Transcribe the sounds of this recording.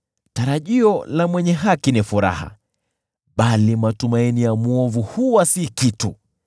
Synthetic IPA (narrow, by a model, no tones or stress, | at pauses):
taɾaʄiɔlamwɛɲɛɦakinifuɾa̰ha̰ | ɓalimatumainijamuɔvuhuwasikitu